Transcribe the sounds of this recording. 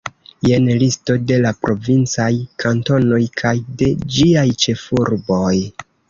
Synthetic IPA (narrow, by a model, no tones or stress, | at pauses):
je̞nlisto̞de̞lapɾʔo̞vint͡sajkʰanto̞no̞jkʰajde̞d͡ʒiajt͡ʃe̞fuɾbo̞j